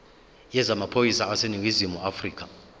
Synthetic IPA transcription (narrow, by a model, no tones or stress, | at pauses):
jɛzamapʰojisaaseniŋɡʱizimuafriːk̬ʰʼa